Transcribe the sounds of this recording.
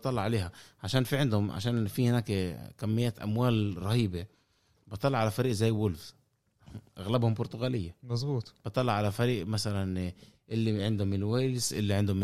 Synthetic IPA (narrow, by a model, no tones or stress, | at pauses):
t̪ˤːɑlːɑʕaleːɦaʕaʃaːnfiʕɪnd̪hʊmʕa̰ʃaːnfihɪnaːkkamːɪjːaːt̪ʔa̰mwaːlɾˤɑhiːbe | bɨt̪ˤːɑlːɑʕalafæɾiːʔzajːwʊlf | ʔaɣlabhʊmbʊɾt̪ʊɣaːlɪjːamɑzbuːt̪ˤb̥ɨt̪ˤːɑlːɑʕalafæɾiːʔmasalanʔɪlːiʕɪnd̪hʊmːɪnwaːlɪsʔɪ̰lːiʕɪnd̪ʊmːɪ